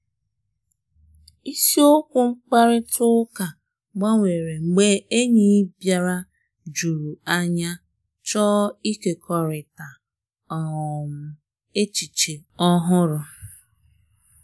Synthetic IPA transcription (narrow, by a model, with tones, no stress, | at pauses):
i˦si˦o˦kʷʊ˦ŋ͡m̩˦k͡pa˦ɾɪ˦tʊ˦ka˨ | ɡ͡ba˦ŋʷe˨ɾe˨ŋ͡m̩˨ɡ͡be˦e˦ɲi˦bja˦ɾa˦ | d͡ʒu˨ɾu˨a˦ɲa˦ | t͡ʃɔ˦i˦ke˨kʰɔ˨ɾɪ˨ta˨ | ɔ˨m̩˨ | e˦t͡ʃi˨t͡ʃe˨ɔ˦ɦʊ˦ɾʊ˦